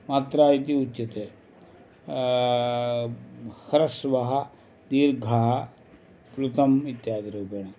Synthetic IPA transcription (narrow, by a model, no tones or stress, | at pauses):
mat̪ɾaːit̪iut͡ʃːit̪e | kɐɾɐsʋɐɦɐ | d̪iːɾɡʱaːɦɐ | pɾut̪ɐmit̪jaːd̪ɾuːbeːɳɐ